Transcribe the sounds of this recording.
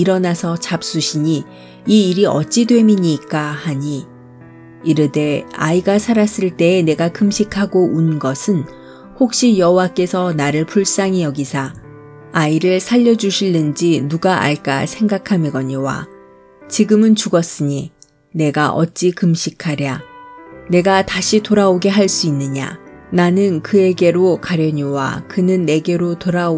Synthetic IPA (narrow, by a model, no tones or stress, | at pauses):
iɾʌnasʰʌt͡ɕap̚s͈uɕʰiɲi | iːɾiʔʌt̚t͡ɕ͈idwe̞miɲiːk͈ahaɲiː | ɾɯde̞a̰iɡasʰaɾas͈ɯɭt͈e̞ːne̞ɡakɯmɕʰikʰaɡoʔunɡʌsʰɯn | hok̚ɕ͈ijʌɦowak͈e̞sʰʌnaɾɯɭpʰuɭs͈aŋijʌɡisʰa | aiɾɯɭsʰaʎːʌd͡ʑuɕʰiɭːɯnd͡ʑinuɡaʔa̰ɭk͈a̰sʰe̞ŋɡakʰamiɡʌɲiwa̰ | t͡ɕiɡɯmɯnt͡ɕuɡʌs͈ɯɲi | ne̞ɡaʔʌ̰t̚t͡ɕ͈ikɯmɕʰikʰaɾja | ne̞ɡataɕʰitoɾaoɡe̞ɦaɭs͈uinːɯɲa̰nanɯnkɯe̞ɡe̞ɾokaɾjʌɲiwa̰kɯnɯnːe̞ɡe̞ɾotoɾa